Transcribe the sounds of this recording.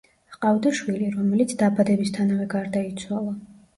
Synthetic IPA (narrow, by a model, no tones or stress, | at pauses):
qʼavd̪ɔʃwiliɾɔmɛlit̪sʰd̪abad̪ɛbist̪ʰanavɛɡaɾd̪ait̪sʰwalˠa